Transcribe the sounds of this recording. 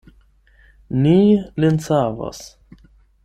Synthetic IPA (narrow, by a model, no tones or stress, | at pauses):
nilensava̰s